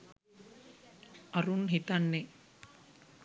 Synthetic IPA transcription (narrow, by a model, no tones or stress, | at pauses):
ʔɐɾunɦit̪ɐnːe